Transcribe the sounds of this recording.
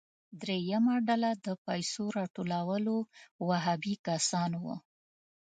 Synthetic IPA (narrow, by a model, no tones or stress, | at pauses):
d̪ɾejamaɖalad̪əpajsoɾɑʈolawəlowaɦabikasɑnwṵ